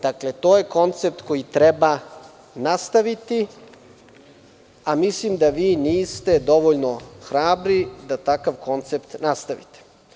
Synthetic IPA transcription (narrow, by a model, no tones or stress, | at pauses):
d̪̥akle̞t̪o̞ːje̞ko̞nt̪sep̚t̪ko̞jit̪ɾeba | nast̪aʋit̪i | amislimd̪aʋiːniːst̪e̞d̪o̞ʋoʎno̞xɾaːbɾid̪at̪akaʋko̞nt̪se̞pt̪nast̪aʋḭt̪e̥